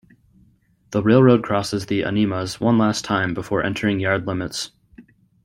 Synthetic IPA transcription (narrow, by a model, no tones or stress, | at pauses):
ðəɹeɪlˠɹoʊd̚kʰɹ̥ɔsɨzðiʔə̰niməzwʌ̃nlæstʰãɪ̃mbəfɔɹʔɛ̰̃ntʰə˞ɪ̃ŋjɑɹdˡlɪ̃mɨts